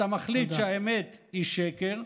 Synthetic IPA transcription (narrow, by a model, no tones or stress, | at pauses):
amaχlit̪ʃeaemet̪hiʃekeʁ